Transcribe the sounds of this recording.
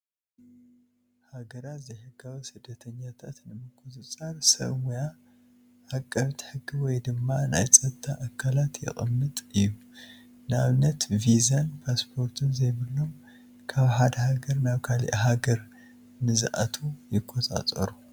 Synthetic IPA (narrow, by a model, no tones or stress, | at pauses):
haɡɐɾat̪zɐjħɨɡːawisɨd̪ːɐt̪ʰɐɲːat̪ʰat̪nɨmɨkʰʼut̪ʼɨt͡sʼaɾsɐ̰βwuja | ʔakʼːɐβt̪ħɨɡːiwɔjd̪ɨmːana̰jt͡sʼɐt̪ʰːaʔakʰːalat̪ʰjɪ̰χʼɨ̰mːɨt̪ʼɨjːu | naβnɐt̪vizɐnpʰaspʰo̞ɾt̪ʰɨnzɐjβɨlːo̞m | kʰaβħad̪ɐhaɡɐɾnaβkʰalḭʔɦaɡɐɾ | nɨzʔa̰t̪ʰujɪkʰʼːot̪ʼa̰t̪ʼɐ̰ɾu